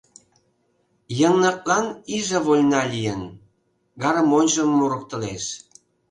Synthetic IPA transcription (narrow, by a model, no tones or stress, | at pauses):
jə̆nːɑk̚lɑniʒə̆βolʲnɑlʲijən | ɡɑɾmonʲʒə̆mːoɾŏk̚t̪ə̆lḛʃ